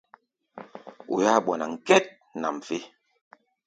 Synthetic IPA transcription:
o̰˨ja˦˨ɓɔ˨na˨ŋ̩˨kɛ˦t̚ | na˨m̩˨fe˦

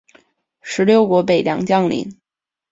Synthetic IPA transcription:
ʂɻ̩˧˥ljo˥˩ʊkwɔ˧˥p̬e˨˩ɪljɑ˧˩ŋt͡ɕjɑ˥˧ŋlḭ˧˥˦n

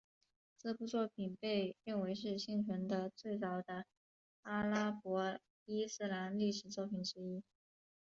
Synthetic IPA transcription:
t͡s̩˥˧pu˥˧t͡swɔ˥˩pʰi˨˩npe˥˧ɪɻə˥˩nwe˧˥ɪʂɻ̩˥˧ɕi˥˩ŋʈ͡ʂʰə˧˥nd̪ə˧t͡swe˥˩ɪt͡sɑ˨˩ʊd̪ə˧ | a˥la˥pwɔ˧˥ | i˥sɹ̩˥˩la˧˥nli˥˩ʂɻ̩˨˩t͡swɔ˥˩pʰi˨˩nʈ͡ʂɻ̩˧˥i˥

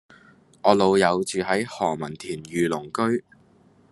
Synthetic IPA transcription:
ʔɔː˨˧lo˨˧wjɐ˨˧wt͡ʃyː˨ɦɐ˨˥jhɔː˨˩mɐ˨˩nt̪ʰiː˨˩njyː˨˧lʊ˨˩ŋkɵ˥ɥ

